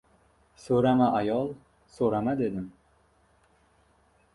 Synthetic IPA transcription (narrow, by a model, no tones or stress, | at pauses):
soɾamaʔajɒlˠ | soɾamad̪e̞d̪ɪm